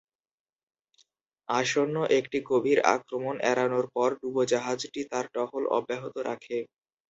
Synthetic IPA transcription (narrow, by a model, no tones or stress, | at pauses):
aʃonːoʔekʈiɡobʱiɾa̰kɾomonʔɛ̰ɾanoɾpɔɾɖubod͡ʑaɦad͡ʑʈit̪aɾɖɔɦolɔ̰bːeɦot̪oɾʔakʰe